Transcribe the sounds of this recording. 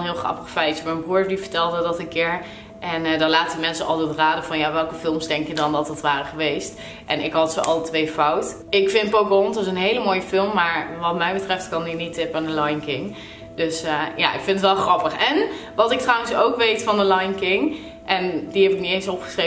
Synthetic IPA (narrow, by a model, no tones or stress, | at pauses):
nɦɪːlˠχrɑ̰pəχfɛjtsəmɛnbruːɹdivəɹtɛlˠdədɑtənkɪːɹ | ʔɛnədɑnlaːtəəmɛnsənɑ̰lˠtɛtraːdəvɑnjaʋɛlˠkəfɪlˠmsdɛŋkjədɑndɑtdɑtʋaːrəχəʋejst | ʔɛnɪkɦɑtsoʔɑ̰lˠtʋejfɔwt | ɪkfɪnpokontɪs̬ənɦejləmoːjəfɪlˠmːaːɹʋɑtmɛjbətrɛftkɑninitɪpandəlɑjnkɪŋ | d̥øsəja̰ʔɪ̰kfɪntətʋɛlˠχrɑpəχɛnʋɑtɪk̚trawənsowkʋejtfɑndəlɑjnkɪŋ | ʔɛndiɦɛbɪk̚niejnsɔpχə̥sre